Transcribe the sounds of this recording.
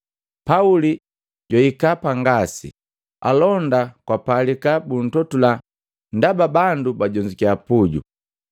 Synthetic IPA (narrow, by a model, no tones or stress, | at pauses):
pauli | ɟwaikapaŋɡasḭ | a̰lɔndakwapalikabun̩tɔtula | ndababandubaɟɔɲd͡ʒikiapuɟṵ